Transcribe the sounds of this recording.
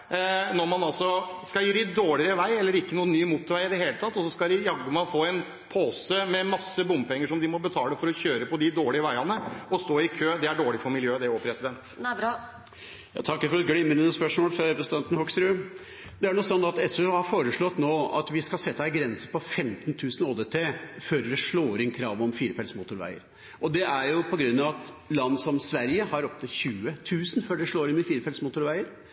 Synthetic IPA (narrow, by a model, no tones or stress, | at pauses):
nɔɾmɑnɑlsɔskɑljiːɾɪd̪oːɭɪəɾəɾəʋæɪɛlːəɾɪkːənuːənːyːmuːt̪ːʋæɪɪd̪ɛɦeːlət̪ʰɑt̪ːɔsɔskɑd̪ɪjɑɡːəmɑfoːɛn | pʰoːsəmɛmɑsːəbʊmpʰɛŋːəʂɔmd̪ɪmɔbət̪ʰɑːləfɔɾɔçøːɾəpɔd̪ɪd̪oːɭɪəʋæɪɑnəɔst̪oːɪkʰøːd̪ɛæɖoːɭɪfɔɾmɪljøːd̪ɛɔpʰɾɛsɪd̪ɛnt̪ | jɑ̰ːt̪ʰɑkːəfɔɾɛt̪ɡɽɪmənənəspœʂmoːlfɾɑɾɛpɾəsn̩t̪ʰɛnt̪n̩hɔksɾʉː | d̪ɛæɳɔsɔnːɑt̪ɛsʉhɑɾfoːɾəʂɭɔt̪ːnoːɑ̰t̪ʋɪskɑsɛt̪ːəæɪɡɾɛnsəpɔfɛmt̪nt̪ʰʉːsnoːd̪eːt̪ʰeːføːɾd̪ɛʂɭoːɾɪnkʰɾɑːʋɔmfiːɾəfɛlsmuːt̪ʊɾʋæ̰ɪə̰ɾ | ɔd̪ɛʔæɾjʊpʰɔɡɾʉnːɑʋɑt̪lɑnd̪sɔmsʋæɾjəhɑɾɔp̚t̪əçʉːət̪ʰʉːsn̩føːɖɛʂɭoːɾɪnɪfiːɾəfɛlsmʊt̪ʊɾʋæɪəɾ